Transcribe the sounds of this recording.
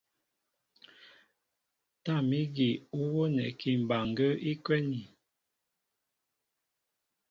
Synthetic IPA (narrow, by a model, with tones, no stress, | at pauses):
ta˦˨mi˦ɡi˨u˦wo˦nɛ̰˨kʰi˨m˨ba˨ŋ˨ɡə˦i˦kwɛ˦ni˨